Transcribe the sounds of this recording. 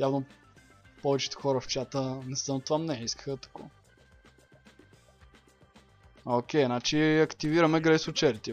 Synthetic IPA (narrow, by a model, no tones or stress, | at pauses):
javno | pɔvɛt͡ʃɛ̥t̪ʊ̥xɔɾəft͡ʃat̪ənɛsənot̪vamnɛiskə̥xət̪ɐ̥kɔ̰ | okʲɛjnat͡ʃiɐkt̪iviɾəmɛɡɾɛsʊt͡ʃɛɾt̪ʲi